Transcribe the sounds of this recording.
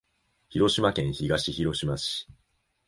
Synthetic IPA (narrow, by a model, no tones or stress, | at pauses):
çiɾo̞ɕimakẽ̞ɰ̃çiɡaɕiçiɾo̞ɕimaɕi̥